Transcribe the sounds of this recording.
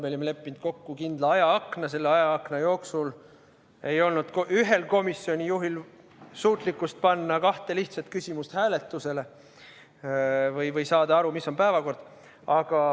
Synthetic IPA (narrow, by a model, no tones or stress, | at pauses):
meolimele̞pˑːind̪̥̚ko̞kːukind̪̥lɑɑjɑɑknɑs̬e̞lːeɑjɑɑknɑjo̞ːksul | e̞jo̞lnud̪̥kyɦe̞lko̞misːio̞nʲijuɦil | suːt̪ˑlikːˑust̪̚pɑnːɑkɑht̪e̞liht̪sɑt̪̚kysʲimust̪hæːle̞t̪ːˑuse̞le̞ | vɤjvɤjsɑːd̪ɑɑɾumisːo̞npæevɑko̞rd̪̥ | ɑɡ̥ɑ